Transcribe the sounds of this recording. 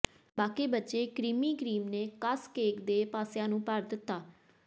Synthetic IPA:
baːkeːbətːʃeːkɾiːmiːkɾiːmneːkəskeːkd̪eːpaːsjãːnũːpəɾd̪ɪt̪ːaː

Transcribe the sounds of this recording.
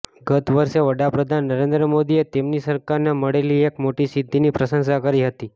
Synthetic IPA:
ɡət̪ʋəɾʃeʋəɽapɾəd̪ʱanːəɾend̪ɾəmod̪iet̪emnisəɾkaɾneməɽeliekmoʈisɪd̪ʱːinipɾəsə̃ŋʃakəɾiɦət̪i

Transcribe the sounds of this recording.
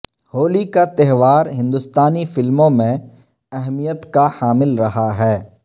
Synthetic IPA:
hoːlikat̪ɛɦʋaːɾɦɪ̃nd̪ʊst̪aːnifɪlmõmẽ | ɛɦmijət̪kahaːmɪlɾɐɦaɦɛː

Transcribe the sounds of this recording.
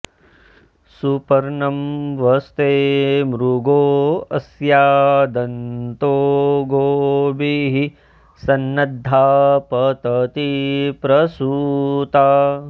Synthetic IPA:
supɐɾɳɐmʋɐst̪eːmɾuɡoːɐsjaːd̪ɐnt̪oːɡoːbiɦi | sɐnːɐd̪ʱːaːpɐt̪ɐt̪ipɾɐsuːt̪aː

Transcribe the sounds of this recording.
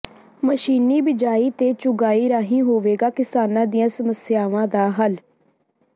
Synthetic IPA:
məʃiːniːbɪd͡ʒaːiːt̪eːt͡ʃʊɡaːiːɾaːɦĩːɦoːʋeːɡaːkɪsaːnãːd̪ɪjãːsəməsjaːʋãːd̪aːɦəl

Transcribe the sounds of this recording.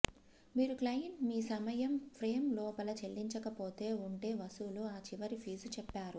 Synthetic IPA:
miːɾuklɐjɐɳʈmiːsɐmɐjɐmpʰɾe̞ːmlɔːpɐlɐt͡ʃeɭːiɲt͡ʃɐkɐpo̞ːt̪e̞ːuɳʈe̞ːʋɐsuluaːt͡ʃiʋɐɾipʰiːst͡ʃɛpːaːɾu

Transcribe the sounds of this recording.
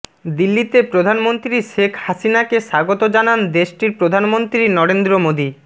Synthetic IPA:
d̪ilːit̪epɾod̪ʱanmont̪ɾiʃekʰhasinakeʃaɡot̪od͡ʑanand̪eʃʈiɾpɾod̪ʱanmont̪ɾinɔɾend̪ɾomod̪i

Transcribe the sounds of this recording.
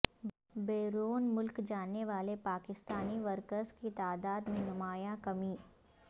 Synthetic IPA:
beːɾoːnmʊlkd͡ʒaːnːeʋaːlepaːkɪst̪aːniʋɐɾkəɾzkit̪aːd̪aːd̪mẽnʊmaːjãkɐmiː

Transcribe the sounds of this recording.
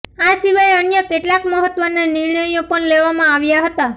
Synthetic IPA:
asiʋajənjəkeʈlakməɦət̪ʋənaniɾɳəjõpəɳleʋamãaʋjaɦət̪a

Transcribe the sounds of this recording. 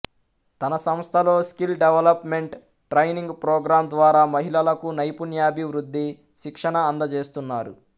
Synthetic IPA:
t̪ɐnɐsɐmst̪ʰɐlo̞ːskilɖeʋɐlɐpme̞ɳʈ | ʈɾɐjniŋɡpɾoːɡɾaːmd̪ʋaːɾaːmɐɦilɐlɐkunɐjpunjaːbʱiʋɾud̪ːi | ʃikʂɐɳɐːnd̪ɐt͡ʃe̞ːst̪unːaːɾṵ

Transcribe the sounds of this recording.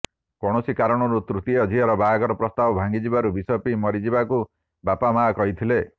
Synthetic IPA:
kɔɽ̃ɔsikaɾɔɽ̃ɔɾut̪ɾut̪iɔd̪ʱiɦɔɾɔbaːɡɔɾɔpɾɔst̪abɔbʱaŋɡid͡ʒibaɾubisɔpimɔɾid͡ʒibaku | bapamaːkɔɦit̪ʰile

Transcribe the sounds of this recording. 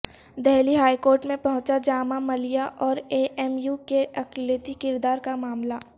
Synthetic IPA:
d̪ɛɦliɦaːikoːɾʈmẽpɐ̃ɦʊ̃t͡ʃad͡ʒaːmamɐlijaʔɔːɾeʔɛːmjukeʔɐklət̪ikɪɾd̪aːɾkamaːmla

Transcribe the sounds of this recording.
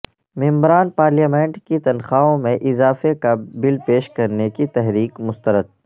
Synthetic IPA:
mɪ̃mbɾaːnpaːɾlijaːmẽːɳʈkit̪ɐnxaːõmẽʔɪzaːfekabɪlpeːʃkɐɾnekit̪ɛɦɾiːkmʊst̪əɾəd̪̚

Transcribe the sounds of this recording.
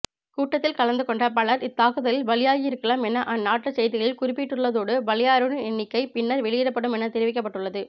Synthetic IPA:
kuːʈːɐt̪ːɪlkɐɭɐnd̪ɯkɔɳɖɐpɐɭɐɾɪt̪ːaːkɯðɐlɪlʋɐɭɪjaːjɪɪɾɯkːɐɭaːmɛnːɐʔɐnːaːʈrɐsɛjðɪɣɐɭɪlkʊrɪpːɪʈːɯɭːɐðoːɽɯʋɐɭɪjaːɾɯɳɯɛnːɪkːɐɪpɪnːɐɾʋɛɭɪjɪɾɐpːɐɽɯmɛnɐt̪ɛɾɪʋɪk̬ːɐpːɐʈːɯɭːɐðɯ

